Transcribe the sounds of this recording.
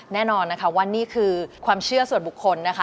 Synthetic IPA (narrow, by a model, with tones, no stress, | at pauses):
nɛː˥˩nɔː˧nːa˦˥kʰa˦˥wa˧˥nːiː˥˩kʰɯː˧kʰwaː˧mt͡ɕʰɯ˥˩ɐsu˨˩ənbu˨˩kʰːo˧nːa˦˥kʰa˦˥˩